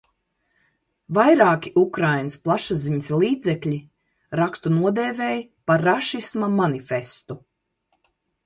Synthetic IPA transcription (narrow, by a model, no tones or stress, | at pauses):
vajɾaːkʲiʔukɾajnɨsplˠaʃaziɲslˠiːd̪zɛkʎʲi | ɾakst̪unuɔd̪eːveːjpaɾːaʃismamanifest̪u